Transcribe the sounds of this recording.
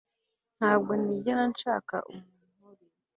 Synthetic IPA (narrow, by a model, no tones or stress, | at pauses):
n̥haːb̚ɡo̞niɟenanʃa̰ːka̰ʔumu